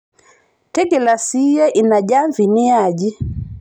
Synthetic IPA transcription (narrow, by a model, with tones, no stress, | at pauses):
tɛ˦ɡɛla˨sijɛ˦ʔina˨ɟa˦ɱvi˨ni˦aɟi